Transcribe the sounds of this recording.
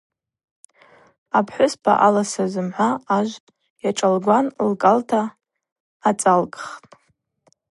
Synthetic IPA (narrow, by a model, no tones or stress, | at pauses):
apʰħʷʊsbʰa̰ʔalasazɨmħʷaaʒʷ | jaʈ͡ʂʼalɡʷanlkʼaltʰaː | t͡sʼalkʼχtʼ